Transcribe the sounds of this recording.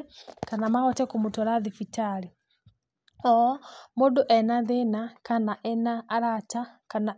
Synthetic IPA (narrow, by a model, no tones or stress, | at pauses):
kanamaɣɔtɛkumutɔlaðifitali | ɔmuduʔɛnaðenakanaʔɛnaːɾat͡ʃa | kana